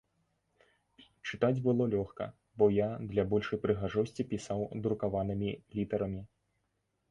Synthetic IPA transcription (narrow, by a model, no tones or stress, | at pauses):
t͡ʂɨt̪ad͡zʲbɨlˠɔlʲɔxkɐ̰ | bɔjad̪lʲabɔlʲʂɐjpɾɨɣaʐɔsʲt͡sʲipʲisawd̪ɾukavanɨmʲilʲit̪ɐɾɐmʲi